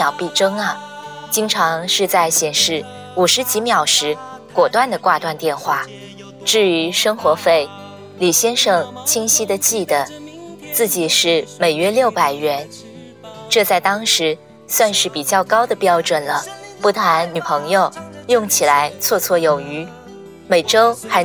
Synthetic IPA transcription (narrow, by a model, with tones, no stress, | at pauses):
jɑ˨˩ʊpi˥˩ʈ͡ʂɤ˥ŋɐ˨ | t͡ɕi˥ŋʈ͡ʂʰɑ˧˥ŋʂɻ̩˥˧t͡sa˥˩ɪɕjɛ˨˩nʂɻ̩˥˩ | u˨˩ʂɻ̩˧˥t͡ɕi˧˥mjɑ˨˩ʊʂɻ̩˧˥ | kwɔ˨˩t̪wa˥˩nd̪ə˩kwa˥˧t̪wa˥˧nt̪jɛ˥˧nxwa˥˩ | ʈ͡ʂɻ̩˥˩y˧˥ʂɤ˥ŋxwɔ˧˥fe˥˩ɪ | li˨˩ɕjɛ˥nʂɤ˥˩ŋt͡ɕʰi˥ŋɕi˥d̪ə˨t͡ɕi˥˩d̪ə˩t͡sɹ̩˥˩t͡ɕi˨˩ʂɻ̩˥˩me˨˩ɪɥɛ˥ljo˥˩ʊpa˨˩ɪɥɛ˧˥n | ʈ͡ʂɤ˥˧t͡sa˥˩ɪt̪ɑ˥ŋʂɻ̩˧˥ | swa˥˧nʂɻ̩˥˩pi˨˩t͡ɕjɑ˥˩ʊkɑ˥ʊd̪ə˨pjɑ˥ʊʈ͡ʂwə˨˩nlə˦pu˧˥t̪ʰa˧˥nny˨˩pʰɤ˧˥ŋjo˧ʊjʊ˥˩ŋt͡ɕʰi˨˩la˧˥ɪt͡sʰwɔ˥˧t͡sʰwɔ˥˩jo˨˩ʊy˧˥ | me˨˩ɪʈ͡ʂo˥ʊxa˧˥ɪ